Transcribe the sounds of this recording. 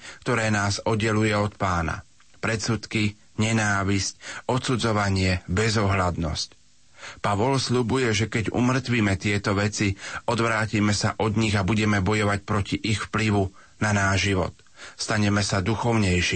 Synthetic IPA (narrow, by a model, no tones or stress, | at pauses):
kt̪ɔɾɛːnaːzɔd̪ɛlujɛɔt̪paːna̰ | pɾɛsut̪ki | ɲɛnaːʋisc̚ɔt̪sud͡zɔʋaɲɪɛbɛzɔɦlad̪nɔ̰sc | paʋɔlsʎubujɛʒɛkɛɟṵmr̩t̪ʋiːmɛt̪ɪɛt̪ɔʋɛt͡siɔd̪ʋɾaːcimɛsa̰ʔɔd̪ɲiɣabuɟɛmɛbɔjɔʋacpɾɔciʔixfpliʋu | nanaːʒʒiʋɔ̰t̪ | st̪aɲɛmɛsad̪uxɔʊɲɛjʃi